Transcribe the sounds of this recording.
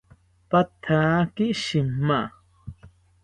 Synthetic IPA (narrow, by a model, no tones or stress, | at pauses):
pat̪ʰaːkiʃɪmːa